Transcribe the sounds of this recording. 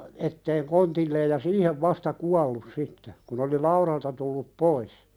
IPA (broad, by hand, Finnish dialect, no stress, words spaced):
etːeːŋ kontilːeːj jɑ siːheʋ ʋɑstɑ kuɑlːus sitːe kun oli lɑuɾɑltɑ tulːup pois